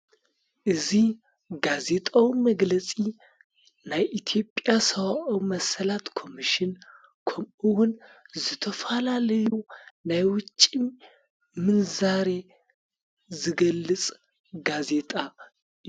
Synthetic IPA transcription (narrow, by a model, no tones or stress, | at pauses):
ʔɨzih | ɡaze̞t̪ʼawiməɡlət͡sʼi | najʔit̪ʰijo̞pʼjasəwaʔwməsəlat̪kʰo̞miʃɪn | kʰoɨwʊnzɨt̪ʰəfalalɨjunajwʊt͡ʃʼːim | mɨnzaɾe̞ | zɨɡəlːɨt͡sʼ | ɡaze̞t̪ʼa